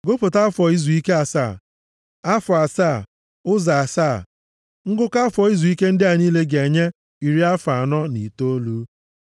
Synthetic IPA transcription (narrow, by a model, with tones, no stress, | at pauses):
ɡʊ˦pʊ˨ta˦fɔ˨i˦zu˨i˦ke˦a˨sa˦˨ | a˦fʊ˨a˨saː˦˨ | ʊ˦za˨a˨saː˦˨ | ŋ̩˦ɡʊ˦ka˦fɔ˨i˦zu˨i˦ke˦n̩˦dɪ˦a˨niː˦le˦ɡe˨ɲe˦ | i˨ɾi˦a˦fa˨nɔ˦ni˨to˦lu˦